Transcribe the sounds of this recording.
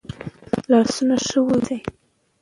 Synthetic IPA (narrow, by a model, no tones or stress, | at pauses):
lɑsunaʂəwudi